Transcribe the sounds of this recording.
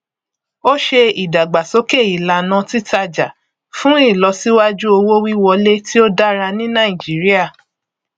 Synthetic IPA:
o˦ʃe˧i˨da˨ɡ͡ba˨so˨˦ke˦˨i˨la˨nã˧˦ti˦ta˧d͡ʒa˨ | fũ˦i˦˨lɔ˨˧si˦wa˦d͡ʒu˦o˧wo˦wi˦wɔ˧le˦ti˦o˦da˦ɾa˧nĩ˦nã˦˨ĩ˨d͡ʒi˨˦ɾi˦a˦˨

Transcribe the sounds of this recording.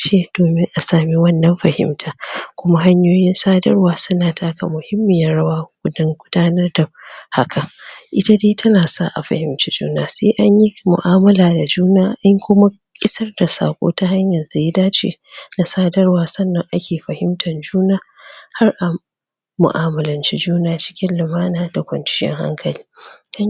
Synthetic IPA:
t͡ʃeː˦˨d̥oː˨mɪ˦ŋʔa˨saː˨mi˦wɐ˦nːɐ˨mɸɐ˨hɪ̰˦mtʰaː˨kʷʊ˦ma˦ɦa˦ɲjoː˦jɪ˦nsaː˦dɐ̰˦rwaː˨sʊ˦naː˨tʰaː˦ka˨mʊ˨hɪ˦mːɪ˨jɐ˦ɽɐ˦waː˦ɡ̥ʷʊ˦dɐ˦ŋɡʷʊ˦daː˦nɐ˦rda˨ha˦kʰa˨ʔɪ˦ta˦deː˦tʰɐ˦naː˨sa̰˦˨ʔa̰˨ɸɐ̰˨hɪ˦mt͡ʃi˦d͡ʒṵː˦naː˦sḛː˦ʔa˦ɲji˦mʊ̰˨ʔaː˦mɐ˦laː˨da˨d͡ʒuː˦naː˦ʔa˦ŋkʷʊ˦ma˦ | kʲʼɪ˦sɐ˦rda˨sa̰ː˨kʷʼo̰ː˦ta˦ha˦ɲjɐ˨rza˨ji˦daː˦t͡ʃḛː˨na˨saː˦dɐ˦rwaː˨sɐ˦nːɐ˨ŋʔa˦kʲʰeː˨ɸɐ˨hɪ˦mtʰɐ˨nd͡ʒuː˦naː˦ | ha˦rʔaː˨ | ʊ̰˨ʔaː˨mɐ˨lɐ˦nt͡ʃi˦d͡ʒuː˦naː˦t͡ʃɪ̥˦kʲɪ˦nlɪ˨maː˦naː˨da˨kʷɐ̰˨nt͡ʃɪ̥˦jɛ̰˦ŋha̰˦ŋkʰɐ˨liː˦kʰa˦

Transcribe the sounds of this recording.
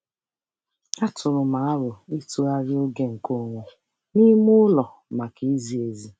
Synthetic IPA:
a˦tʊ˨ɾʊ˨ma˨a˦ɾʊ˨i˦tu˦a˦ɾɪ˦o˦ɡe˦ŋ̩˨ko˦˨ŋʷʊ˨ | ni˦mʊ˦lɔ˨ | ma˨ki˦i˦zi˨e˨zi˨

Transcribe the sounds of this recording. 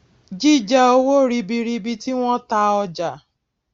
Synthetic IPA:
d͡ʒi˦d͡ʒa˦o˦wo˦˨ɾi˧bi˧ɾi˦˧bi˧ti˦w̃ʷɔ̃˦ta˦ɔ˧d͡ʒa˨

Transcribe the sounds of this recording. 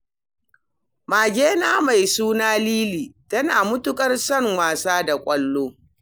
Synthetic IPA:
maː˨ɡʲeː˦naː˦ma˨jsuː˦naː˦liː˦liː˨tɐ˦naː˨mʊ˦tʊ˦kʼɐ˦rsɐ˦ŋwaː˨saː˦da˨kʷʼɐ˦lːoː˦

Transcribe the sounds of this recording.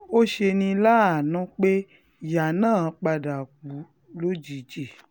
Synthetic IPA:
o˦ʃe˧nĩ˧la˦a˨nũ˦k͡pe˦ | ja˨nãː˦˨˦k͡pa˧da˨k͡pu˨˦ | lo˦d͡ʒi˨d͡ʒe˨

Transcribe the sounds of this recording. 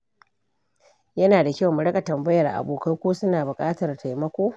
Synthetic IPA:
jɐ˦naː˨da˨kʲːmʊ˨ɽɐ˦kʼa˨tɐ˨mbɐ˦jɐ˨rʔa̰˨boː˨kɐ˦rkʷoː˦sʊ˦naː˨bʊ˨kʼaː˦tɐ˨rtʰa˨jmɐ˦kʷoː˦

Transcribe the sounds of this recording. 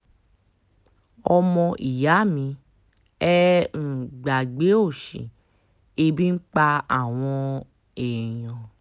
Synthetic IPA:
ɔ˧mɔ̃˧ʔi˨ja˨˦˨mĩ˨˧˦ | ɛ˦n̩˨ɡ͡ba˨ɡ͡be˨˦o˦˨ʃḭ̃˨ | e˧bĩ˦ŋ͡m̩˦k͡pa˧a˦˨w̃ɔ̃˧ | e˨jɔ̃˨

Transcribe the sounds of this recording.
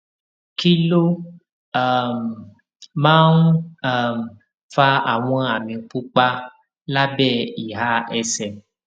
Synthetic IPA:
ki˦lo˦ | a˦˨m˨ | mãː˦n˨ | m˨ | fa˧a̰˨w̃ɔ̃˧a˨mĩ˨˧k͡pu˦k͡pa˦ | la˦bɛː˦˨i˨ɦa˧˦ɛ˧sɛ˨

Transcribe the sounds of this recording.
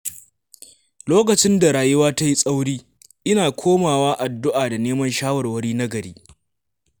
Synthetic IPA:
loː˦kɐ˨t͡ʃɪ˦nda˨ɾaː˨jʊ˦waː˦ta˦ji˦sʼa˦wɽiː˦ | ʔɪ˦naː˨kʷʰoː˦maː˨waː˦ʔa˨dːʊ˦ʔaː˨da˨neː˦mɐ˦nʃaː˦wɐ˨rwɐ˦ɽiː˦na˦ɡɐ˨ɾḛː˦

